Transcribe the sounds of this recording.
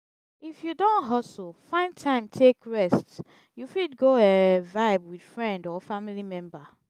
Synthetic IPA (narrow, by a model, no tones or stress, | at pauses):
ifjudõnɦɔsol̩ˠfãɪ̃ntʰãɪ̃mtʰekɹɛst | jufidɡoɛvaɪbwid̥fɹɛ̃ndɔfamilimɛ̃mba